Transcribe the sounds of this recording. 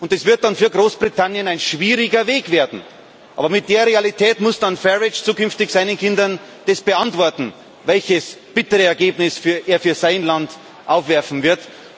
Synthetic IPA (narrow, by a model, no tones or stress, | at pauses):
ʔʊntɛsv̥ɪɐt̚d̥anfyːɐɡʁoːsb̥ʁitʰanjənaɪnʃv̥iːʁɪɡɐveːkv̥eːɐdn̩ | ʔɑ̰ːbɐmɪt̚d̥eːɐʁealitʰɛːtmʊsd̥anfɛʁɪt͡ʃt͡suːkʏnftɪçsaɪnənkʰɪndɐn | d̥ɛsb̥əantv̥ɔɐtn̩ | vɛlçəsb̥ɪtəʁəɛɐɡeːbnɪsfyːɐʔeːɐfyːɐzaɪnland | ʔaʊfv̥ɛɐfn̩vɪɐt